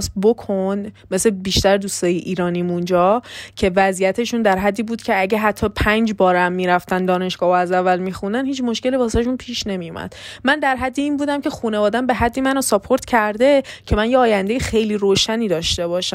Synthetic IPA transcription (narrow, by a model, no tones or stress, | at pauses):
sbokʰonme̞slebiʃt̪æɾd̪ust̪ɒːjeʔiːɾɒːnimund͡ʒɒːcʰe̞væzijæt̪ʰe̞ʃund̪æɾɦæd̪ːiːbuːd̪cʰe̞æɟeɦæt̪ʰːɒːpʰænd͡ʒbɒːɾæmːiːɾæft̪ænd̪ɒːne̞ʃɡ̥ɒːhoæzævːælmixund̪ænhiːt͡ʃʰmo̞ʃke̞libɒːsʃ̬unpʰiːʃne̞mijumæ̰d̪̥mænd̪æɾɦæd̪ːiiːnbuːd̪æmcʰe̞xuːne̞vɒːd̪æmbe̞ɦæd̪ːimænosɒpʰoɾt̪cʰæɾd̪e̞cʰe̞mænjeɒːjænd̪ejexe̞jliːɾoːʃæniːd̪ɒːʃt̪e̞bɒːʃæm